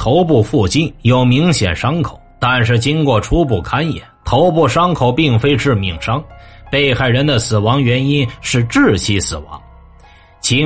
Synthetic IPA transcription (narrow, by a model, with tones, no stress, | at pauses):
t̪ʰo˧˥ʊp̬u˥˧fu˥˩t͡ɕi˥njo˧˩ʊmi˧˥ŋɕjɛ̰˨˩nʂɑ˥ŋkʰo˨˩˦ʊt̪a˥˧nʂɻ̩˥˩t͡ɕi˥nkwɔ˥˩ʈ͡ʂʰu˥p̬u˥˩kʰa˥njɛ̰˨˩˦nt̪ʰo˧˥ʊpu˥˩ʂɑ˥ŋkʰo˨˩ʊpi˥˩ŋfe˥ɪʈ͡ʂɻ̩˥˩mi˨˩ŋʂɑ˥ŋpe˥˧ɪxa˥˩ɪɻə˧˥nd̪ə˧sɹ̩˨˩wɑ˧˥ŋɥɛ˧˥ni˥nʂɻ̩˥˧ʈ͡ʂɻ̩˥˩t͡ɕʰi˥sɹ̩˨˩wɑ̰˧˥ŋ | t͡ɕʰi˧˥